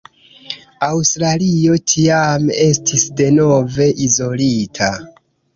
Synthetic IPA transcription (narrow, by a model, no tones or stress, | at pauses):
awstɾalio̞tʰiame̞stʰisde̞no̞ve̞ʔizo̞litʰa